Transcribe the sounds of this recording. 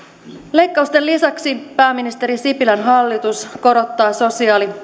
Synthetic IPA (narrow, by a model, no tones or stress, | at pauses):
le̞jkːɑust̪e̞lisɑksipæːmːinist̪e̞ɾisipilænɦɑlːit̪usko̞ɾo̞t̪ːɑːso̞siɑːli